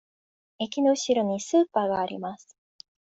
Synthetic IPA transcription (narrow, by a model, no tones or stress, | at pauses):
e̞kʲino̞ɯ̟ɕiɾo̞ɲ̟isɨːpaːɡaːɾʲḭmasɨ̥